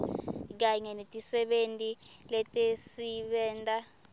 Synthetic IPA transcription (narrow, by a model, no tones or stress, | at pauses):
k̬aɲɛnetʼisɛɓentʼilɛtʼesiɓɛːntʼa